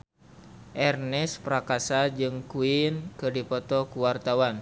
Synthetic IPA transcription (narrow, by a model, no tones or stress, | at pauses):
ʔɛrnɛspɾakasad͡ʒɨŋkuinkɨrdipɔt̪ɔkuwart̪awan